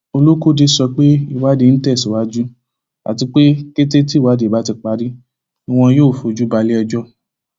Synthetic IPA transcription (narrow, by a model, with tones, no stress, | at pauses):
o˧lo˦ko˦di˧sɔ˧k͡pe˦i˦˨wa˦de˧n̩˦tɛ˦˨si˨wa˦d͡ʒu˦ | a̰˨ti˧k͡pe˦ke˦te˦ti˦˨wa˨˦de˨ba˦ti˧k͡pa˧˦di˦ | i˦˧w̃ɔ̃˧joː˦˨fo˧d͡ʒu˦ba˧li˦ɔ˧d͡ʒɔ˦